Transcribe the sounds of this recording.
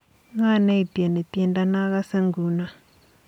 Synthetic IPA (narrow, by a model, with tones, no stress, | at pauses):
ŋa˦˨ne˦i˨pi˨a˨ne˨t̪jɛ˦nda˦na˦ɣa˦se˦ŋɡu˨na˨